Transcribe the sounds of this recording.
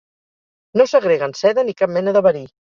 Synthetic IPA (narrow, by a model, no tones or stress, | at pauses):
nosəɣɾeɣənsɛðənikap̚mɛnəðəβəɾi